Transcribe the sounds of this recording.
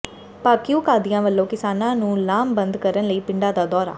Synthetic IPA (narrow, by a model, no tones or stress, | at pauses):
paːkɪjũːkaːd̪ijãːʋəlːõːkɪsaːnãːnũːlaːmbənd̪kəɾənləiːpɪɳɖaːd̪aːd̪ɔːɾa̰ː